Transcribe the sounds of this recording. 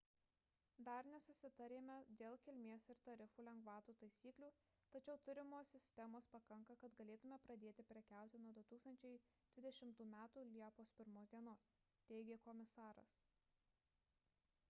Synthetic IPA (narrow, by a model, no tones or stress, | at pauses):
d̪ɐɾnʲɛsʊsʲɪt̪ɐɾʲeːmʲɛd̪ʲeːlˠkʲɪlʲmʲeːsɪɾt̪ɐɾʲɪfuːlʲɛŋɡʋɑːt̪uːt̪ɐɪsʲiːklʲuː | t̪ɐt͡ʃʲɛʊt̪ʊɾʲɪmoːsʲɪsʲt̪ʲɛmoːspɐkɐŋkɐkɐt̪ɡɐlʲeːt̪ʊmʲɛpɾɐd̪ʲeːt̪ʲɪpʲɾʲɛkʲæˑʊt̪ʲɪnuɔd̪ʊt̪uːkst̪ɐnʲt͡ʃʲɛɪ | d̪̥ʲʋʲɪd̪ʲɛʃʲɪmt̪uːmʲæːt̪uːlʲiɛpoːspʲɪɾmoːsd̪ʲiɛnoːs | t̪ʲɛɪɡʲeːkɔmʲɪsɑːɾɐ̰s